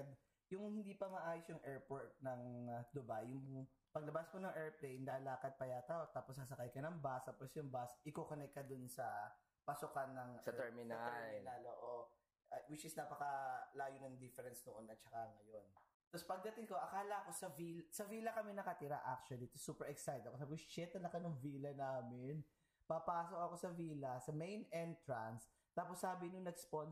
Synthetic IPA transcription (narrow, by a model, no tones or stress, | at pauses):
d̪̚ | jʊŋhɪnd̪iːpɐmɐʔaːjosjʊŋʔɛɹpoɹt̪̚nɐŋd̪ʊbajːʊŋ | pɐɡ̚lɐbasmonɐŋʔɛɹplɛjnlaːlaːkɐd̪̚pɐjaːt̪aot̪aːposɐs̬ɐkajkɐnɐŋbast̪aposjʊŋbasʔɪkokonɛk̚kːɐd̪ʊnsɐ | pɐsʊkɐnːɐŋʔsɐɛɹmɪnɐat̪ɛɛlmɪnaloːʔo | ɐwɪt͡ʃɪsnɐpɐkɐlaːjʊnɐŋd̪ɪfɛɾɛnsd̪oʔonːɐt͡ʃɐkaŋɐjon | t̪ospɐɡ̚d̪ɐt̪ɪŋko̞ʔɐkaːlɐko̞sɐviːlsɐviːlɐkɐmɛnɐkɐt̪ɪɾa̰ʔak̚t͡ʃuɐlit̪osːuːpɛɹʔɛksajt̪̚ɐkosapʊst͡ʃɛt̪ɐlɐkɐnʊŋviːlɐnaːmɪn | pɐpaːsok̚ɐko̞sɐviːlɐsɐmejnɛnt̪ɹans | t̪aːposːaːbɪnʊŋnɐɡspon